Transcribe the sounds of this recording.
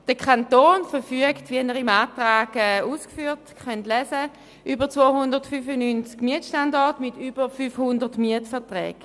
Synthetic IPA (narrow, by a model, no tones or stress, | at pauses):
d̥əkʰantoːnfəfyəktʋinəʁimaːtʁaːɡɛuːskfyːtχœntlɛsə | ʔybət͡svoːhʊndəɐʁtfyfənynt͡skmiətʃtandɔɐtmɪtybəʁfyfhʊndədmiətfɛɐtʁɛ̰ːɡ